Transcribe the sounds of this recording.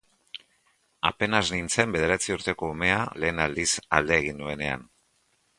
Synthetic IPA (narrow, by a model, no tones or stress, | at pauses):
a̰pe̞naznint͡se̞mbe̞ðe̞ɾat͡siuɾt̪e̞ko̞ːme̞ale̞ːnald̪isa̰ld̪e̞ːɣ̞ind̪ue̞ne̞a̰n